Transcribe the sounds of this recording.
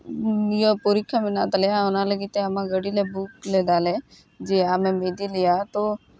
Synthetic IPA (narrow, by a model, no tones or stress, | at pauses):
jopoɾikʰːamɪnaːt̪lejaʊnãləɡit̪eamãɡəɽilebuːkleːd̪aːle | d͡ʒeːaːmẽmeːd̪ilɪjat̪o